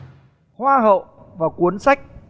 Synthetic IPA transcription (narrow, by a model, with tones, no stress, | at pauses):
hwaː˧ɦə̰˧˨ | vaː˨˩kwu˨˦ənsa˦˥jk̟̚